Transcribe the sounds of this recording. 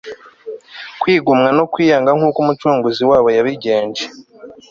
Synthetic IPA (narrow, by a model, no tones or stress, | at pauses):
kwiːɡumŋanokwiːjaːŋɡaŋ̥huːkumut͡ʃuːŋɡuziwaːβo̞jaβiɟe̞ːɲd͡ʒe